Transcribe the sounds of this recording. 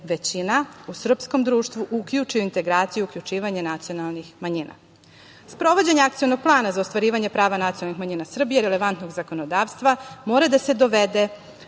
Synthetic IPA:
ʋe̞t͡ɕinausr̩psko̞md̪ɾuːʃt̪ʋuʔukʎut͡ʂijuint̪e̞ɡɾaːt̪sijuuklʲʎut͡ʃiːʋaɲenat̪sijo̞nalˠnixmaɲina̰ | spɾo̞ʋo̞d͡ʑeɲeakt̪sijo̞no̞ɡ̥̚plˠaːnazaost̪ʋaɾiːʋaɲepɾaːʋanat̪ijnalnixmaɲiːnasr̩bijeɾele̞ʋant̪no̞ɡzako̞no̞d̪aːʋst̪ʋamo̞ːɾad̪ase̞d̪o̞ʋed̪e̞

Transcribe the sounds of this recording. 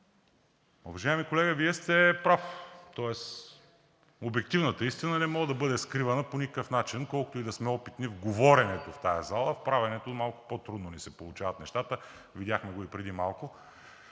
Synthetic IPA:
ʊ̰vɐʒaɛmikolɛɡəviɛst̪ɛpɾaft̪ɔɛs | obɛk̚t̪ivnət̪əist̪inənɛmɔɡəd̪ɐbɤd̪ɛskɾivɐnəponikəkəfnat͡ʃinkɔlˠkʊt̪ʊid̪ɐsmɛɔpit̪nivɡovɔɾɛnɛt̪oft̪ajɐzalˠəfpɾavɛnɛt̪omalˠkʊ̥pot̪ɾud̪nonisɛpolˠʊt͡ʃavɐt̪nɛʃt̪at̪ə | vid̪ʲjaxmɛɡoipɾɛd̪imalˠkʊ

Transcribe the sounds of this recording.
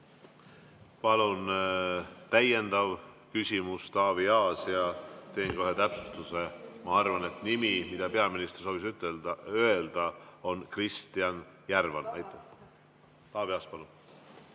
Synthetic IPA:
pɑlun | t̪æje̞nd̪̥ɑvkysʲimust̪ɑːviɑːsjɑt̪e̞ːŋkoɦe̞t̪æpsu̥st̪use̞mɑɑrvɑne̞t̪nimimid̪̥ɑpe̞ɑminist̪ersoːvisyt̪ːeøeld̪̥ɑo̞nkrist̪iɑnjærvɑnɑjt̪ːˑe | t̪ɑːviɑːspɑlun

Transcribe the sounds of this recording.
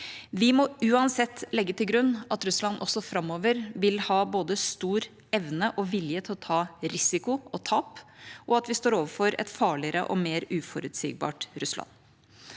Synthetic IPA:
ʋɪmɔʉːɑnsɛt̪ːlɛɡːət̪ʰɪlɡɾʉnːʔɑt̪ɾʉslɑnʔɔ̰sːɔfɾɑmːoːʋəɾʋɪlhɑːboːd̪əst̪uːɾ | ɛʋnəʔɔʋɪljət̪ʰɪlɔt̪ʰɑːɾɪsɪkʊɔt̪ʰɑːpʔɔɑt̪ʋɪst̪oːɾoːʋəɾfɔɾɛ̰t̪fɑːɭɪəɾə̰ʔɔ̰meːɾʉːfɔɾʉt̪sḭːɡ̚bɑ̰ːʈɾʉslɑ̰n

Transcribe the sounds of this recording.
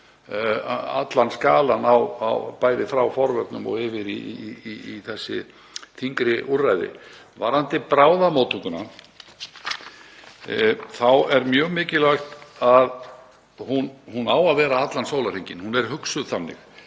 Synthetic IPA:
a̰t̪lanskaːlanawa̰wpaːjðɪfɾawfɔɾvɛt̪nʏmɔ̰ɣɪvɪɾiː | θɛsːɪ̰ | θʰiŋkɾɪʔurːajðɪ̰ | va̰ɾant̪ɪpɾaːwðamowt̪ʰuŋkʏna | θawɛɾmjœːɣmɪːcɪlajxt̪að | hunhunawaðvɛːɾaat̪lansoːwlaɾ̥iɲcɪnhunɛɾ̥ɦʏksʏðθanːɪ̰x

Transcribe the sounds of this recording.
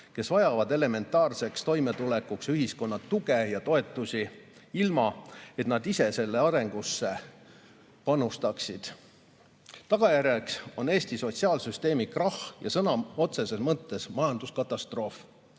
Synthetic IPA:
ke̞svɑjɑvɑd̪̥e̞le̞me̞nt̪ːˑɑːrse̞kst̪o̞jme̞t̪ule̞kːˑuksyɦisko̞nːɑt̪ːuɡejɑt̪o̞e̞t̪ːˑusʲi | ilmɑet̪nɑd̪ise̞se̞lːe̞ɑɾe̞ŋɡ̥usːe̞ | pɑnust̪ɑksid̪̥ | t̪ɑɡ̥ɑjærjekso̞ne̞ːst̪iso̞t̪ʲsiɑːlsyst̪e̞ːmikrɑhjɑsɤnɑo̞t̪se̞se̞smɤt̪ːˑe̞smɑjɑnd̪̥uskɑt̪ːˑɑst̪ro̞ːf

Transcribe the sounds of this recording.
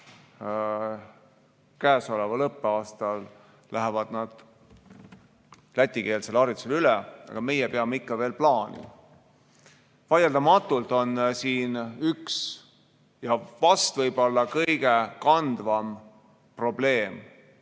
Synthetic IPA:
kæːso̞levɑlɤpːeɑːst̪ɑl | læɦevɑd̪̥nɑd̪̥ | læt̪ʲːˑike̞ːlse̞lɑɾjit̪selylɛɑ̰ɡ̥ɑme̞jɛpeɑmeikːɑve̞ːlplɑːnḭ | vɑjeld̪ɑmɑt̪ːˑult̪o̞nsiːnyks | jɑvɑst̪vɤjb̥o̞lːɑkɤjɡ̥e̞kɑnd̪̥vɑm | pro̞b̥le̞ːm

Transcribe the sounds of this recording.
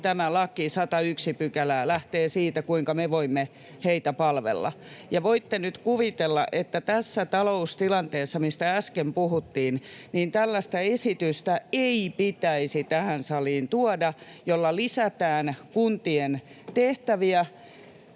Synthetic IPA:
t̪æmælɑkisɑt̪ɑyksipykælæːlæht̪eːsiːt̪ækuiŋkɑmeʋoimːe | heit̪æpɑlʋḛlːɑ̰ | jɑʋoit̪ːenyt̪kuʋit̪elːɑ̰ʔet̪ːæt̪æsːæt̪ɑloust̪ilɑnt̪eːsːɑmist̪ææskempuhut̪ːiːnniːnt̪ælːæst̪æesit̪yst̪æeipit̪æisit̪æhænsɑliːnt̪uɑdɑ | jolːɑlisæt̪æːnkunt̪ien | t̪eht̪æʋiæ

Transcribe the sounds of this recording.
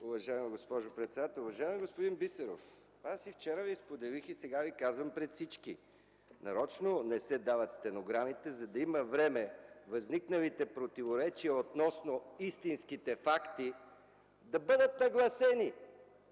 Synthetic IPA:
uvɐʒaɛmiɡospɔʒopɾɛt̪sɛd̪at̪ɛlˠʊvɐʒaɛmiɡospod̪inbisɛɾo̰f | asift͡ʃɛɾəvispod̪ɛlixisɛɡavikazvəmpɾɛt̪sit͡ʃki | nɐɾɔt͡ʃnonɛsɛd̪avɐt̪st̪ɛnoɡɾamit̪ɛzɐd̪ɐiməvɾɛmɛvɐzniknəlit̪ɛpɾot̪ivoɾɛt͡ʃiəot̪nɔsnoist̪inskit̪ɛfakt̪i | d̪ɐbɤd̪ət̪nɐɡlˠɐsɛni

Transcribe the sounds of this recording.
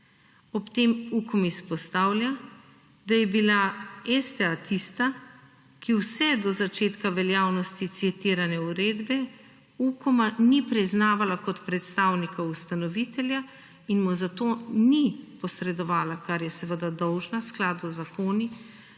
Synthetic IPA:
ɔpt̪eːmukɔmispɔst̪aːwlja | d̪ajɛbilaɛst̪ɛat̪ʰist̪a | kiwsɛd̪ɔzat͡ʃeːt̪kaʋɛljaːwnɔst̪it̪siɛt̪iːɾanɛuɾeːd̪bɛ | ukɔmanipɾiznaːʋalakɔt̪pɾɛt̪st̪aːwnikaust̪anɔʋit̪ɛlja | inmuzat̪onipɔsɾɛd̪ɔʋaːlakaɾjɛsəʋəd̪ad̪ɔwʒnasklaːd̪ɔzakoːni

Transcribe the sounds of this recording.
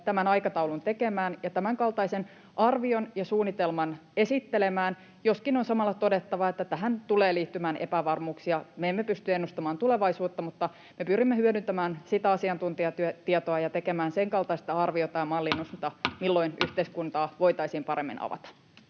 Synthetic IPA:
t̪æmænɑjkɑt̪ɑulunt̪e̞kemæːnjɑt̪æmæŋkɑlt̪ɑisen | ʔɑrʋionjɑsuːnːit̪elmɑne̞sit̪ːelemæːn | jo̞skinonsɑmɑlːɑt̪o̞de̞t̪ːɑʋɑet̪ːæt̪æɦænt̪uleːliːt̪ːymæːnḛpæʋɑrmuːksiɑmeemːepyst̪yenːust̪ɑmɑːnt̪uleʋɑisuːt̪ːɑmut̪ːɑ | mepyrimːehyøɾynt̪æmæːnsit̪æɑsiɑnt̪unt̪iɑt̪yøt̪iɑt̪oɑjɑt̪e̞kemæːnseŋkɑlt̪ɑist̪ɑɑrʋiot̪ɑːmɑlːinːust̪ɑmilːo̞inyht̪eiskunt̪ɑːʋo̞ijt̪ɑisiːmpɑɾemːḭnɑ̰ʋɑ̰t̪ɑ̥

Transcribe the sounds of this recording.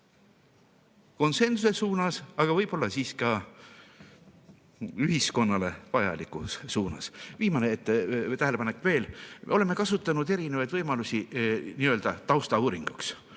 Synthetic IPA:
ko̞nse̞nsuse̞suːnɑsɑɡ̥ɑvɤjb̥o̞lːɑsiːskɑ | yɦisko̞nːɑle̞vɑjɑ̰likˑusːuːnɑ̰sviːmɑneet̪ːet̪æɦele̞pɑne̞kːve̞ːlmo̞le̞mːe̞kɑsut̪ːˑɑnud̪e̞ɾine̞vɑjd̪̥vɤjmɑlusʲiniːøːld̪̥ɑt̪ɑwst̪ɑuːɾiŋɡ̥uks

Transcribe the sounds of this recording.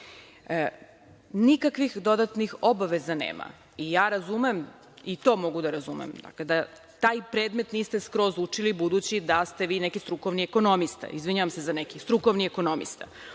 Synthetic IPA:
nikakʋixd̪o̞d̪at̪nixo̞baʋezanḛːma̰ | ijaːɾazumem | it̪o̞mo̞ɡud̪aɾazumḛmd̪a̰kled̪a | t̪aːjpɾed̪me̞t̪niːst̪eskɾo̞zut͡ʂilibud̪ut͡ɕid̪ast̪e̞ʋiːnekist̪ɾuko̞ʋnieko̞nomist̪a̰izʋiɲaʋamsezanekist̪ɾukoʋnieko̞no̞mḭst̪a̰

